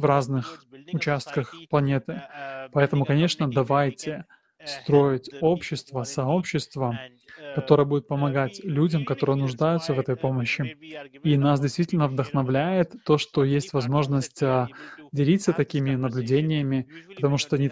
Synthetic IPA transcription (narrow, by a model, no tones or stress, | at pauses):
vraznɨxʊt͡ɕast̪kəxplˠɐnʲe̞t̪ɨpɐɛt̪əmʊkɐnʲe̞ʂnəd̪ɐvajtʲɪ | st̪ɾo̞ɪtʲo̞pɕːɪst̪vəsɐo̞pɕːɪst̪və | kɐt̪o̞ɾəjəbudʲɪt̪̚pəmɐɡatʲlʲudʲəmkɐt̪o̞ɾɨjənʊʐd̪ajʊt̪səvɛt̪əjpo̞məɕːɪinasdʲɪjst̪vʲitʲɪlʲnəvd̪əxnɐvlʲæjɪt̪ːo̞ʂt̪o̞jesʲtʲvɐzmo̞ʐnəsʲtʲədʲɪlʲit̪sːət̪ɐkʲimʲɪnəblʲʉdʲenʲɪjəmʲɪpət̪ɐmuʂt̪oɐnʲɪ